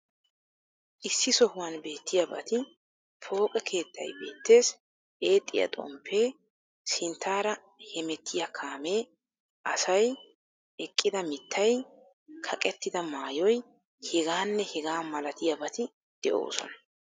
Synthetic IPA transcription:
ʔɪsːɪsɔhʊwɐnbe̞ːt̪ːɪjɐbɐ̰t̪ɪ | pʰo̞ːkʼɛkʰe̞ːt̪ːɐ̰jbe̞̰ːt̪ːe̞ːs | ʔe̞ːt̪ʼːɪjɐ̰t̪ʼɔ̰mpʰːe̞ː | sɪnt̪ːaːɾɐ | hɛmɛt̪ʰːɪjɐkʰaːme̞ː | ʔɐsɐj | ɛkʼːɪd̪ɐmɪt̪ʰːɐj | kʰɐkʼɛt̪ːɪd̪ɐmaːjɔj | hɛɡaːnːɛhɛɡaːmɐlɐt̪ɪjɐbɐt̪ɪ | d̪̥ɛʔo̞̰ːsɔ̰nɐ̥

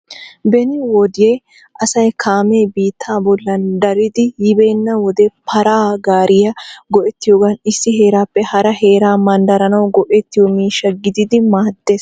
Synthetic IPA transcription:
bɛnɪwɔd̪ɪje | ʔɐsɐjkʰaːmeːbiːt̪ʰːaːbɔlːɐnd̪ɐɾɪd̪ɪjɪbeːnːɐwɔd̪ɛpʰɐɾaːɡaːɾɪjɐɡɔʔɛt̪ːɪjoːɡɐnɪsːɪɦe̞ːɾaːpːɛhɐɾɐhe̞ːɾaːmɐnd̪ɐɾɐnɐwɡɔʔɛt̪ːɪjomiːʃːɐɡɪd̪ɪd̪ɪmaːd̪ːe̞ːs

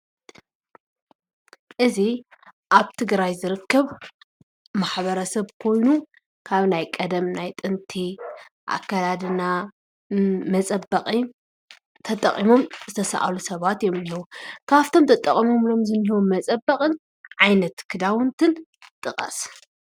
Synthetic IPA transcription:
ʔɨziʔaβt̪ʰɨɡɾajzɨɾɨkʰːɐβ | maħβɐɾɐsɐβkʰo̞jnu | kʰaβnajkʼɐd̪ɐmnajt̪ʼɨnt̪ʰi | ʔa̰kʰːalad̪ɨna | mɐt͡sʼɐbɐqʼi | t̪ʰɐt̪ʼɐχʼimo̞mzɨt̪ʰɐsɐ̰ʔa̰lusɐβat̪jomniwukʰaft̪ʰo̞mt̪ʰɐt̪ʼɐχʼimo̞mlo̞mzɨnihiwomɐt͡sʼɐbːɐkʼɨn | ʕajnɐt̪kʰɨd̪awʊnt̪ʰɨn | t̪ʼɨqʼɐ̰s

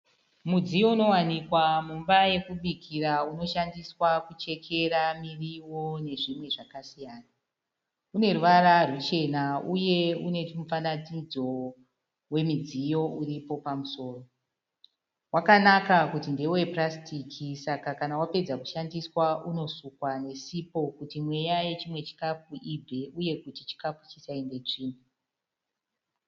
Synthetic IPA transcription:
mud͡zijo̞uno̞wanikwamumbaje̞kuɓikʰirauno̞ʃandiswakut͡ʃe̞kʰe̞ɾamiriwo̞ne̞ʐimwe̞ʐakasijaːna | une̞ruʋararut͡ʃe̞nauje̞une̞timufanatid͡zo̞ | we̞mid͡zijo̞uripo̞pamuso̞ːro̞ | wakanakakutinde̞oeprastikʰisakakanawape̞d͡zaku̥ʃandiswauno̞sukwane̞sipo̞kutimwe̞jaje̞t͡ʃimwe̞t͡ʃi̥kafuʔibʱe̞uje̞kutit͡ʃi̥kafu̥t͡ʃisainde̞t͡ʂiːme

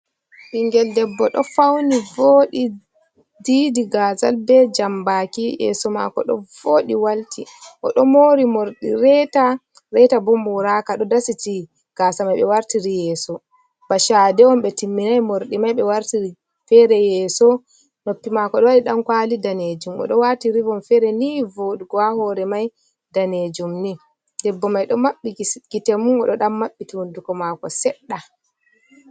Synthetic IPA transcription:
ɓiŋɡɛldɛbːɔɗɔfawnivoːɗi | diːdiɡaːza̰lbɛd͡ʒambakijɛ̰sɔma̰kɔ̰ɗɔ̰voːɗiwaltiʔɔ̰ɗɔmoːɾimoɾɗḭɾɛta | ɾɛtabumbuɾakaɗɔdasiti | ɡ̥aːsamajɓɛwaɾtiɾijɛːsɔ | b̥aʃadɛɔmɓɛtimːinajmoɾɗimajɓɛwaɾtii | fɛɾɛjɛːsɔ | nopːimakɔɗɔwaɗiɗamkwalidaned͡ʒumɔ̰ɗɔwatiɾivɔnfɛɾɛnivoɗuɡɔahɔɾɛmaj | daned͡ʒumni | dɛbːɔmajɗɔmaɓːiɡ̥itemunɔɗɔɗamːaɓːituwundukɔmakɔsɛɗːa

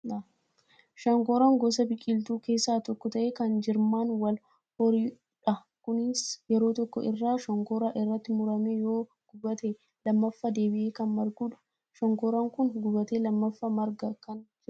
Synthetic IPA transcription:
ʃɐŋkɔɾaːŋɡɔsɐbɪkʼɪlt̪uːke̞ːsːaːt̪ɔkːɔt̪ɐʔeːkɐnd͡ʒɪɾmaːnwɐl | hɔɾiː | ᶑɐ | kʊnɪsjɛɾo̞ːt̪ɔkːɔ̰ʔɪrːaːʃɔŋkɔːɾaːʔɪrːɐt̪ːɪmʊɾɐmeːjo̞ː | ɡ̥ʊbɐt̪e | lɐmːɐfːɐd̪e̞ːbɪʔeːkɐnmɐɾɡuːᶑʊ̥ | ʃɐŋkoːɾaŋkʊnɡʊbɐt̪eːlɐmːɐfːɐmɐɾɡɐkɐnd͡ʒɪ

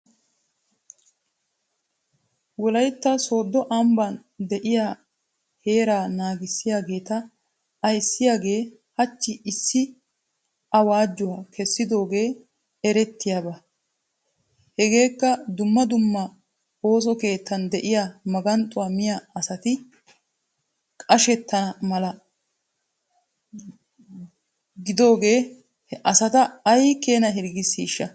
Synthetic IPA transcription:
wɔlɐjt̪ːɐso̞ːd̪ːɔʔɐmbɐnd̪ɛʔɪjaː | he̞ːɾaːnaːɡɪsːɪjaːɡe̞ːt̪ɐː | jsːɪjaːɡe̞ː | hɐt͡ʃːɪʔɪsːɪ | ʔɐwaːd͡ʒːʊwaːkʰɛsːɪd̪o̞ːɡe̞ː | ɛɾɛt̪ːɪjaːbɐ | hɛɡe̞ːkːɐd̪ʊmːɐd̪ʊmːɐ | o̞ːs̬ɔke̞ːt̪ːɐnd̪ɛʔɪjamɐɡɐnt̪ʼʊwamɪjaɐsɐt̪ɪ | kʼɐʃɛt̪ːɐnɐmɐlɐ | ɡɪd̪o̞ːɡe̞ː | ʔɐsɐt̪ɐɐjkeːnɐɦɪɾɡɪsːiːʃːɐ

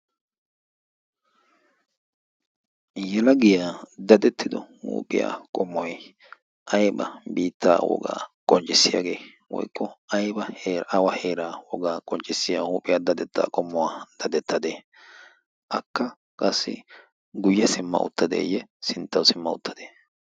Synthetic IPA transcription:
jɛlɐɡɪjaːd̪ɐd̪ɛt̪ːɪd̪ɔhṵːpʼɪja̰ːkʼɔmːɔj | ʔɐjbɐ̰biːt̪ːa̰ːwɔ̰ɡa̰ːkʼɔnt͡ʃʼɪsːɪjaɡe̞ː | wɔ̰jkːɔɐjbɐɐwɐheːɾaːwɔɡaːkʼɔnt͡ʃʼɪsːɪjahuːpʼɪjaːd̪ɐd̪ɛt̪ːa̰ːkʼɔmːɔwaːd̪̥ɐd̪ɛt̪ʰːɐd̪eː | ʔɐkːɐ | kʼɐsːɪ̰ | ɡʊjːɛsɪmːɐ̰ʔʊ̰t̪ːɐd̪ḛːjɛsɪnt̪ːɐwsɪmːɐʊ̰t̪ʰːɐd̪̥e̥ː

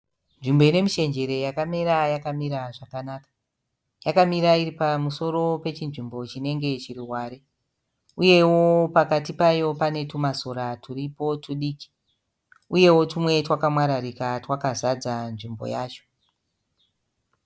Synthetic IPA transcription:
nʐimbo̞ine̞miʃe̞nd͡ʒe̞ɾe̞jakamiɾajakamiɾaʐakanaːkḁ | jakamiɾairipamuso̞ɾo̞pe̞t͡ʃinʐimbo̞t͡ʃine̞ŋɡe̞t͡ʃiriɦwaːɾe | uje̞wo̞pakatipajo̞pane̞tumaso̞ɾatʰuripo̞tuɗiːki̥ | uje̞wo̞tumwe̞twakamwaɾaɾikatwakazad͡zanʐimbo̰jaːt͡ʃo̥

